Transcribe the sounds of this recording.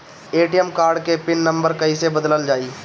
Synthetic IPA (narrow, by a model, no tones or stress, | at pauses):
eːʈijəmkaːɾɖkepɪnːə̃mbəɾkɐisebəd̪ləld͡ʒaːiː